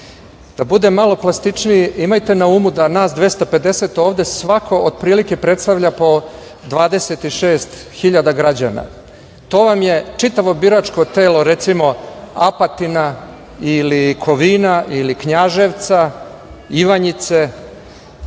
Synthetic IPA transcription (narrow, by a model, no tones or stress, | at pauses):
d̪̥abud̪emːalo̞plˠast̪it͡ʃniiimajt̪e̞nauːmud̪anaːsd̪ʋe̞st̪ope̞d̪e̞se̞t̪o̞ːʋd̪esʋakʰo̞od̪̚pɾiːlike̞pɾe̞t̪st̪aʋʎapo̞ | d̪ʋaːd̪e̞se̞t̪iʃeːst̪xiʎad̪aɡɾad͡ʑa̰na̰ | t̪o̞ːʋamje̞t͡ʃit̪aʋo̞biɾat͡ʃko̞t̪e̞ːlo̞ɾe̞t̪simo̞apat̪ina | ilikʰo̞ʋiːnaʔilikɲaʒeʋt̪sa | iʋaɲit̪se̞